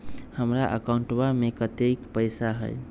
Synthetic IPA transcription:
həmɾaʔə̰kaʊ̃ɳʈbamekət̪ekpəɪsaɦə̰j

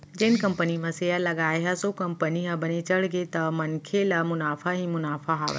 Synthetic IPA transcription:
d͡ʒeːnkɐ̃mpənimɐ̃seːəlɐɡaːeɦasokɐ̃mpəniɦɐbɐnet͡ʃɐɽɡet̪ɐmɐnkʰelɐmʊnaːfaɦimʊnaːfaɦa̰ːʋə̰

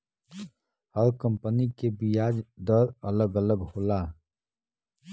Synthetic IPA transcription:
həɾkə̃mpənikebijaːd͡ʒd̪əɾələɡələɡhoːla

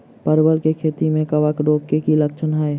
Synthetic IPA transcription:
pəɾbəlkekʰeːt̪imẽkəʋakɖoːkkekiləkt͡ʃʰənɦɛe

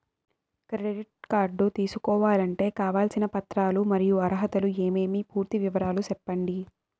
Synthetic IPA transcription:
kɾeɖiʈ̚kaːɾɖːut̪iːsukɔːʋaːlɐɳʈe̞ːkaːʋaːlsinɐpɐt̪ɾaːlumɐɾijuɐɾɐɦɐt̪ɐlue̞ːme̞ːmipuːɾt̪iʋiʋɐɾaːlusɛpːɐɳɖi

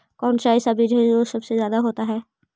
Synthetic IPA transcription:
kɔːnʃaːɪsabʱid͡ʒoɦɛosɐbsezjaːd̪aɦoːt̪aɦɛː

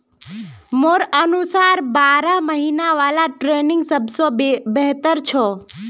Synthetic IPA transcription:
moːɾənusaːɾbaːɾaməɦiːnaʋaːlaʈɾeːnɪ̃ŋɡsəbsobɛɦt̪əɾt͡ʃʰoː

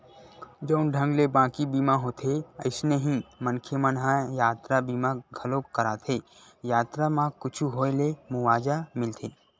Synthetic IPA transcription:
d͡ʒəʊnɖʱə̃ŋɡlebãːkibiːmaɦoːt̪ʰeəɪsneɦĩmənkʰemənɦajaːt̪ɾabiːmaɡʱɐlokːɐɾaːt̪ʰeː | jaːt̪ɾamãkʊt͡ʃʰuɦoːelemʊʋaːd͡ʒamɪlt̪ʰeː

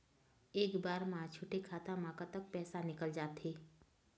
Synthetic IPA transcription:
eːkbaːɾmaãt͡ʃʰuːʈekʰaːt̪amãːkat̪ək̚pɛːsanɪkəld͡ʒaːt̪ʰeː

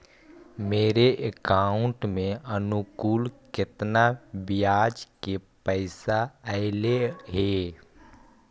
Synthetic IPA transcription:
meːɾeʔekaːʊɳʈmẽənʊkuːlkɪt̪nabɪjaːd͡ʒkepəɪsaəɪleɦe

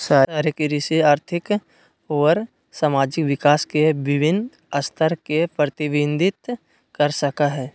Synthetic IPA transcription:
saːaːɾekiɾɪsiaːɾt̪ʰɪk | ɔːɾ | saːmaːd͡ʒɪkʋɪkaːskeʋɪʋɪn | ɐst̪ʰəɾkepɾət̪ɪʋɪ̃nd̪ʱɪt̪ | kɐɾsɐkaɦɛː

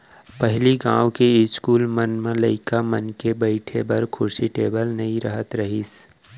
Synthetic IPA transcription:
pəɦɪliɡã̰ːwkeɪskuːlmənmẽləɪkamənkebəɪʈʰebɐɾkʰʊɾsiʈeːbəlnɐɦĩɾəɦət̪ɾəɦis

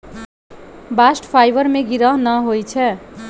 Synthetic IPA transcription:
basʈpʰajbʌrmeɡiɾʌɦnʌɦojt͡sʰɛ

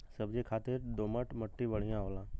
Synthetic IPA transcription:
səbd͡ʒekʰaːt̪ɪɾd̪oːməʈməʈːiʋəɽ̤ijãɦoːlãː

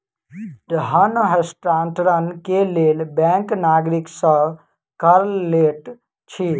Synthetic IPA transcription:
dɦənɦesʈɾanʈɾənkelelbɛ̃ŋknaːɡɾiksə̃ | kəɾlleʈ | t͡ʃʰi

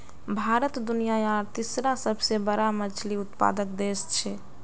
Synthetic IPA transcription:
bʱaɾət̪d̪unijajaɾt̪isɾasəbʱsebəɾamət͡ʃʰliʊt̪pa̰ːd̪ək̚d̪est͡ʃʰɛ

